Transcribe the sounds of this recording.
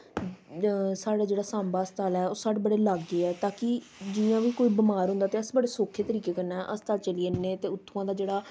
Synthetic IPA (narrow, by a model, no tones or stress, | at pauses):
saːɽaːd͡ʒeːɽaːsãːmbaːəst̪aːlɛːoːsaːɽeːbəɽeːlaːɡːeːɛːt̪aːkɪ | d͡ʒɪjãːʋiːkoːiːbɪmaːɾɦʊ̃nd̪aːt̪eːəsbəɽeːsoːkʰːeːt̪əɾiːkeːkəɾnaːɛʔəst̪aːt͡ʃəliːeneːt̪eːʊt̪ʰːũãːd̪aːd͡ʒeːɽaː